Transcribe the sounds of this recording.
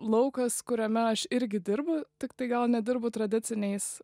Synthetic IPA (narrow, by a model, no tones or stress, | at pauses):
lˠɐʊkɐskʊɾʲɛmʲɛɐʃɪɾʲɡʲɪd̪ʲɪɾbʊt̪ʲɪkt̪ɐɪɡɐlˠnʲɛd̪ʲɪɾbʊt̪ɾɐd̪ʲɪt̪t͡s̪ʲɪnʲɛɪs